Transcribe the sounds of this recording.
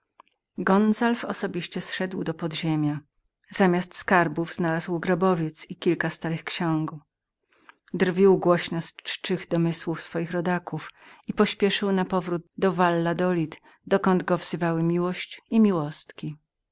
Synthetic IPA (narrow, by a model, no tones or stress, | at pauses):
ɡɔnzalfɔsɔbʲiɕt͡ɕɛsʂɛd̪wd̪ɔpɔd̪ʑemʲja | z̥amʲjast̪skaɾbuvz̥nalazwɡɾɔbɔvʲjɛt̪sikʲilkast̪aɾɘxkɕɔŋɡu | d̪rvʲiwɡwɔɕnɔst͡ʂt͡ʂɘɣd̪ɔmɘswufsfɔjixɾɔd̪akuf | ipɔɕpʲjɛʂɘwnapɔvɾud̪̚d̪ɔvalːad̪ɔlʲit̪ | d̪ɔkɔnd̪ɡɔvzɘvawɘmʲiwɔɕt͡ɕimʲiwɔst̪kʲi